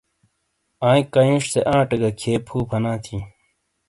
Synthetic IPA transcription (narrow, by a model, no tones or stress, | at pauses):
ãːĩkɐjũːʂseʔãːʈɐɡɐkʰeːpʰuːpʰɐnãːt̪ʰi